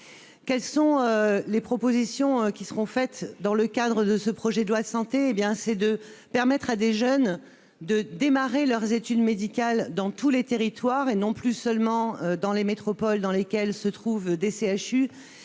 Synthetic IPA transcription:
kʲɛlsɔ̃ølepχɔpozisjɔ̃kʲisəʁɔ̃fɛt̪d̪ɑ̃ləkad̪ʁəd̪əsəpχɔʒɛd̪əlwad̪əsɑ̃t̪eːbjɛ̃sɛd̪əpɛʁmɛt̪χad̪eʒœn | d̪əd̪emaʁelœʁzet̪yd̪med̪ikʲald̪ɑ̃t̪ulet̪eʁit̪waʁenɔ̃plysœlmɑ̃ød̪ɑ̃lemet̪χɔpɔld̪ɑ̃lekʲɛlsət̪χuvd̪eseaʃy

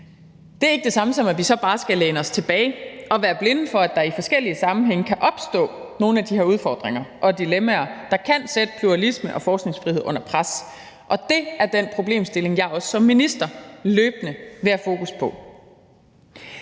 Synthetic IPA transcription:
d̥e̝æɐe̝ɡ̥əd̥e̝sɑ̈məsɒ̽mæʋisɒ̽b̥ɑ̈ːsɡ̥æleːnəɒ̽st͡sʰe̝b̥ɛːɪɒ̽ʋæːɐb̥le̝nəfɒ̽æd̥ɑ̈ifɒ̽sɡ̥el̰iəsɑ̈mn̩ɦeŋ̰əkʰæʔɒ̽b̥sd̥ɔ̰̽ː | no̝ːn̩æd̥ihe̝ɐuð̞ˠfɒ̰ːd̥ʁeŋɐʔɒ̽d̥ilemæɐd̥ɑ̈kʰæn̰sed̥əpʰluʁɑlisməʔɒ̽fɒːsɡ̥ne̝ŋsfʁihe̝ð̞̰ˠɔ̽n̰ɐpʰʁas | ʔɒ̽d̥e̝æɐd̥en̰pʰʁo̝b̥le̝̰ːmsd̥e̝le̝ŋjɑ̈ɒ̽ssɒ̽mːinisd̥ɐløːb̥nəʋe̝æfo̝ːkʰuspʰɒ̽

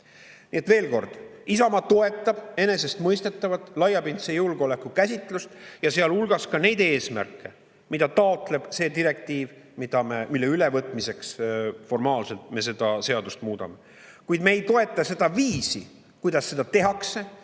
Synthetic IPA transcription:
nie̞t̪ve̞ːlko̞rd̪̥isɑmɑt̪o̞e̞t̪ːˑɑb̥e̞ne̞se̞st̪mɤjst̪et̪ːˑɑvɑt̪ːˑlɑjːɑpint̪sejulɡ̥eo̞le̞kːukæsʲit̪ːˑlust̪jɑse̞ɑlulɡ̥ɑskɑne̞jd̪e̞ːsmæ̰rkːˑe̞ | mid̪ɑt̪ɑot̪ˑle̞b̥se̞ːd̪iɾe̞k̚t̪iːv | mid̪̥ɑmemilːe̞ylevɤt̪ˑmise̞ksfo̞rmɑːlse̞lt̪me̞s̬e̞d̪̥ɑse̞ɑd̪ust̪muːd̪̥ɑ̰me̞ | kujd̪mejt̪o̞e̞t̪ːˑɑse̞d̪̥ɑviːsi | kujd̪̥ɑsːe̞d̪̥ɑt̪e̞ɦɑkse̞

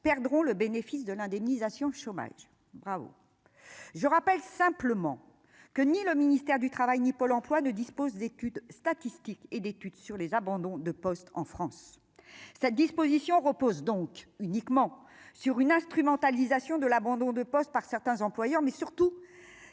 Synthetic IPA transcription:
pɛʁd̪ʁɔ̃ləbenefisd̪əlɛ̃d̪ɛmnizasjɔ̃ʃoma̰ʒ | bʁavo̰ | ʒəʁapɛlsɛ̃pləmɑ̰̃ | kəniləminist̪ɛʁd̪yt̪χavajnipɔlɑ̃plwanəd̪ispozd̪et̪yd̪st̪at̪ist̪iked̪et̪yd̪syʁlezabɑ̃d̪ɔ̃d̪əpɔst̪ɑ̰̃fχɑ̃sː | ɛt̪̚d̪ispozisjɔ̃ʁəpozd̪ɔ̃kynikmɑ̃ | syʁynɛ̃st̪χymɑ̃t̪alizasjɔ̃d̪əlabɑ̃d̪ɔ̃d̪əpɔst̪̚paʁsɛʁt̪ɛ̃zɑ̃plwajœʁmɛsyʁt̪u

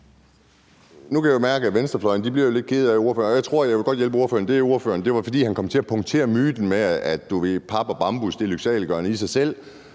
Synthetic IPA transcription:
nukʰæjmæɐɡ̥əæʋensd̥ʁɐflɒ̽ɪɐnd̥ib̥liɐjole̝d̥̚kʰe̝ð̞̩ˠæo̝ɐfø̰ːɐnɒjɑ̈ɪt͡sʰʁo̝ɐ̰jɑ̈ɪʋe̝ɡ̥ɒ̽d̥jelb̥əo̝ɐfø̰ːɐnd̥e̝æo̝ɐfø̰ːɐnd̥e̝ʋɑ̈fɒ̽d̥ḭːhænkʰɒ̽m̰t͡sʰe̝æpʰɒ̽ŋt͡sʰe̝̰ːɐmyːd̥n̩meæd̥ːuʋe̝pʰɑ̈b̥ɒb̥ɑ̈mb̥usd̥e̝lyɡ̥sɛ̰ːlɡ̥ɶɐnəisɑ̈ɪsel̰

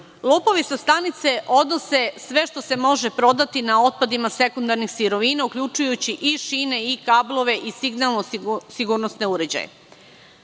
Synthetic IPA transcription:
lˠoːpo̞ʋisast̪anit̪se̞ʔo̞d̪no̞se̞sʋe̞ʃt̪o̞se̞mo̞ʒepɾo̞d̪at̪inao̞t̪̚pad̪imase̞kund̪aɾnixsiɾo̞ʋinaukʎʲut͡ʃujut͡ɕiʔiʃiːne̞ikablˠo̞ʋe̞ʔisiɡnalnosiɡuːɾnosne̞uɾe̞d͡ʑa̰jḛ

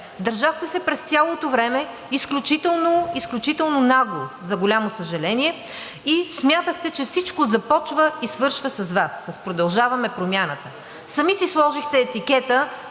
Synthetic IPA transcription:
d̪ɐɾʒaxt̪ɛsɛpɾɛst̪ʲjalˠot̪ovɾɛmɛ | isklʲut͡ʃit̪ɛlˠnoisklʲut͡ʃit̪ɛlˠnonaɡlˠozɐɡolʲamosəʒɛlɛniɛ | ismʲjat̪əxt̪ɛt͡ʃɛfsit͡ʃkozɐpɔt͡ʃvəisvɤɾʃvəsɐzvasɐspɾod̪ɐlˠʒavɐmɛpɾomʲjanət̪ə | sɐmisislˠɔʒixt̪ɛːt̪ikɛt̪ə

